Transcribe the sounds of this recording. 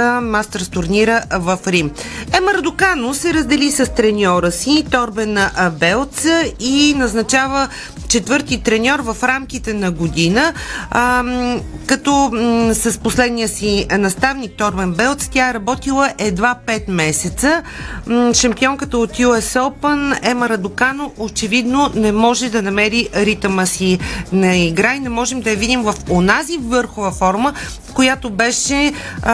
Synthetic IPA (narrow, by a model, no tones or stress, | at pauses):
mast̪əɾst̪ʊɾniɾəvɐfɾimɛməɾd̪ʊkanosɛɾəzd̪ɛlisɐst̪ɾɛnʲɔɾəsit̪ɔɾbɛnəʔbɛlˠt̪səinɐznɐt͡ʃavə | t͡ʃɛt̪vɤɾt̪it̪ɾɛnʲɔɾvɐfɾamkit̪ɛnɐɡod̪inə | kɐt̪ɔsɐsposlɛd̪nijəsinɐst̪avnik̚t̪ɔɾmɛnbɛlˠt̪st̪ʲaɛɾɐbɔt̪ilˠəʔɛd̪vapɛt̪mɛsɛt̪sə | ʃɐmpiɔŋkət̪əot̪juɛsolˠpənɛmɐɾɐd̪okanoʔot͡ʃɛvid̪nonɛmɔʒɛd̪ɐnɐmɛɾiɾit̪məsinɐiɡɾainɛmɔʒɛmd̪ɐjɐvid̪imvəfonazivɤɾxovəfɔɾmə | kojat̪obɛʃɛ